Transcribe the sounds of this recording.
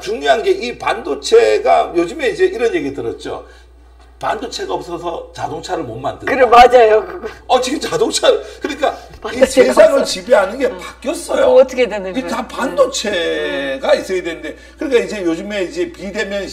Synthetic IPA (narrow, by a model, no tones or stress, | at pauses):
t͡ɕuŋɲjoɦanɡe̞ʔipandot͡ɕʰe̞ɡajod͡ʑɯme̞id͡ʑe̞iɾʌnje̞ɡitɯɾʌt̚t͡ɕ͈o̰ | pandot͡ɕʰe̞ɡaʌp̚s͈ʌs̬ʰʌt͡ɕadoŋt͡ɕʰaɾɯɭmʌnma̰ndɯkɯɾemad͡ʑajokʌt͡ɕiɡɯt͡ɕadoŋt͡ɕʰaɾɯɭkɯɲik͈ait͡ɕesʰaŋɯɭt͡ɕibeɦanɯnɡe̞pak͈jʌs͈ʌjotʰʌkʰedwenɯtapandot͡ɕʰe̞ɡais͈ɯkedwe̞nɯnde̞ | kɯɾik̬͈aid͡ʑe̞jod͡ʑɯme̞id͡ʑe̞pide̞mjʌn